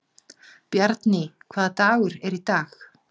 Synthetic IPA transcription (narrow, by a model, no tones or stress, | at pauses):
pjaɾt̪nɪkʰvaːðat̪aːɣʏɾɛɾit̪aːx